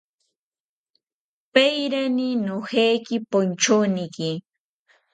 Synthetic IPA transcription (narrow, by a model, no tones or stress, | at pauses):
pajɾanɪnohejkɪpʊnt͡ʃonɪkɪ